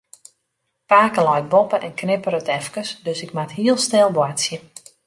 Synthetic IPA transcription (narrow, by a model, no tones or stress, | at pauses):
paːkəlajt̚bɔpəʔɛnknɪpəɾətɛfkəsdøsɪkmatɦiəlˠstɛlˠbwatsjə